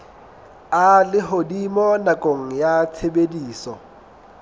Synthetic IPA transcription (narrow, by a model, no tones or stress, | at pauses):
alɪɦodimɔnakʼoŋ̩jat͡sʰebediːsɔ